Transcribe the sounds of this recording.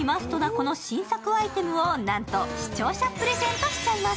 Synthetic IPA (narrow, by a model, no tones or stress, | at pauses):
imasɨ̥t̪o̞nako̞no̞ɕĩɰ̃sakɯ̟ait̪e̞mɯ̟o̞nãnt̪o̞ɕi̥t͡ɕo̞ːɕapɯɾe̞zẽ̞nt̪oɕi̥t͡ɕaima